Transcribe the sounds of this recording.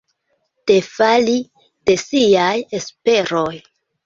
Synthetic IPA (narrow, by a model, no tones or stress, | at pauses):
te̞fali | d̥e̞siaje̞spe̞ɾo̞j